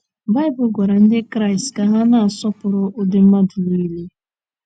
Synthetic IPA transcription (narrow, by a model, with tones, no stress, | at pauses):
ba˦ɪ˦bʊ˨˦ɡʷa˨ɾa˨n̩˦dɪ˦kɾa˦ɪ˨stka˨ɦa˦na˨a˨sɔ˦pʊ˨ɾʊ˦ʔo˦dɪ˨˦m̩˦ma˦dʊ˨li˦i˦le˦